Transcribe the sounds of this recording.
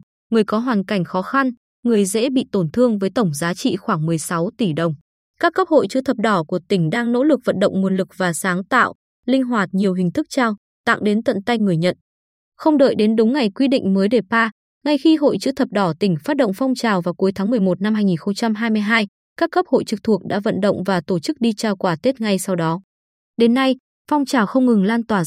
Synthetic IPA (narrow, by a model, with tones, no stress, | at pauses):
ŋɨ˨˩əjkɔ˨˦ɦwaː˨˩nka˧˩jŋ̟xɔ˨˦xa˧n | ŋɨ˨˩əjzɛ̰˧˥ɓḭ˧˨t̪o˧˩nt̪ʰɨ˧əŋvəː˨˦jt̪ə˧˩wŋ͡mzaː˨˦t͡ɕḭ˧˨xwaː˧˩ŋmɨ˨˩əjsa˨˦wt̪i˧˩ɗə˨˩wŋ͡m | kaː˦˥kːə˦˥p̚ho̰˧˨jt͡ɕɨ̰˧˥t̪ʰə˨˩p̚ɗɔ˧˩ku˧˩ət̪ï˧˩ŋ̟ɗaː˧ŋno̰˧˥lɨ˨˩k̚və̰˧˨nɗə̰˧˨wŋ͡mmu˨˩nlɨ˨˩k̚vaː˨˩saː˨˦ŋt̪a̰ː˧˨w | lï˧ŋ̟ɦwaː˨˩t̚ɲi˨˩əwɦï˨˩ŋ̟t̪ʰɨ˦˥k̚t͡ɕaː˧w | t̪a̰ː˧˨ŋɗe˨˦nt̪ə̰˧˨nt̪a˧jŋɨ˨˩əjɲə̰˧˨n | xə˧wŋ͡mɗə̰ː˧˨jɗe˨˦nɗʊ˨˦wŋ͡mŋa˨˩jkwi˧ɗḭ̈˧˨ŋ̟məː˨˦jɗe˧˩paː˧ | ŋa˨˩jxi˧ɦo̰˧˨jt͡ɕɨ̰˧˥t̪ʰə˨˩p̚ɗɔ˧˩t̪ï˧˩ŋ̟faː˦˥t̚ɗə̰˧˨wŋ͡mfɔ˧wŋ͡mt͡ɕaː˨˩wvaː˨˩ku˨˦jt̪ʰa˨˦ŋmɨ˨˩əjmo˨˩t̚na˧mhaː˧jŋi˨˩nxə˧wŋ͡mt͡ɕa˧mɦaː˧jmɨ˧əjɦaː˧j | kaː˦˥kːə˦˥p̚ho̰˧˨jt͡ɕɨ˨˩k̚t̪ʰu˨˩ək̚ɗa̰ː˧˥və̰˧˨nɗə̰˧˨wŋ͡mvaː˨˩t̪o˧˩t͡ɕɨ˦˥k̚ɗi˧t͡ɕaː˧˩wkwaː˧˩t̪e˦˥t̚ŋa˧jsa˧wɗɔ˨˦ | ɗe˨˦nːa˧j | fɔ˧wŋ͡mt͡ɕaː˨˩wxə˧wŋ͡mŋɨ˨˩ŋlaː˧nt̪waː˧˩